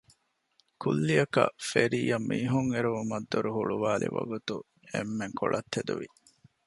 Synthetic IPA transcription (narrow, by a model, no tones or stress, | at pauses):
kulːijɐkɐ̰feɾiːjɐmːiːɦuŋeɾuumɐd̪ːoɾuɦuɭuʋaːlḭʋɐɡut̪u | emːeŋkoɭɐt̪ʰːed̪uʋi